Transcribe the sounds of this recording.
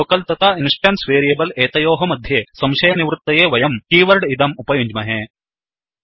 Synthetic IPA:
oːkɐlt̪ɐt̪ainsʈaːnsʋeːɾijebɐleːt̪ɐjoːɦɐmɐd̪ʱjeːsɐmʃɐjɐniʋɾut̪ːɐjeːʋɐjɐmkiːʋɐɾɖid̪ɐmupɐjuɲd͡ʒmɐɦeː

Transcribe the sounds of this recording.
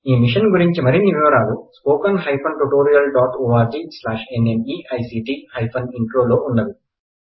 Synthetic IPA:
iːmiʂɐnɡuɾiɲt͡ʃimɐɾiniʋiʋɐɾaːluspoːkɐnɦɐjpʰɐnʈuʈoːɾijɐlɖaːʈoːaːɾd͡ʒiːslaːʂeneniːʔɐjsiːʈiːhɐjpʰɐniɳʈɾoːloːʔunːɐd̪i

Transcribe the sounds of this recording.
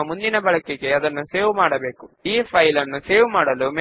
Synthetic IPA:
mund̪inɐbɐɭɐkːeɡe̞ɐd̪ɐnːuse̞ːʋumaːɽɐbe̞ːkuiːpʰɐjlɐnːuse̞ːʋumaːɽɐlume

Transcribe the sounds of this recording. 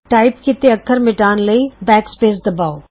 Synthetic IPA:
ʈaːɪpkɪt̪eəkʰːəɾmɪʈaːnləibɛːkspeːs̬d̪əbaːoː

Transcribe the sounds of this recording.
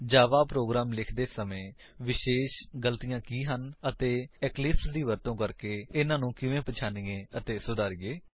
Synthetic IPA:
d͡ʒaːʋaːpɾoːɡɾaːmlɪkʰd̪eːsəmẽː | ʋɪʃeːʃɡəlt̪ijãːkiːɦənət̪eːɛklɪpsd̪iːʋəɾt̪õːkəɾkeːɪnãːnũːkɪʋẽːpət͡ʃʰaːniːẽːət̪eːsʊd̪aːɾiːeː

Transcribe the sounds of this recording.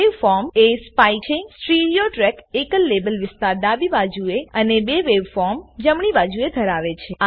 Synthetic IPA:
eʋfɔɾmespajt͡ʃʰesʈɾiɖijoʈɾɛkekəlːebəlʋɪst̪aɾd̪abibad͡ʒueənebeʋeʋfɔɾmd͡ʒəmɳibad͡ʒued̪ʱəɾaʋet͡ʃʰe

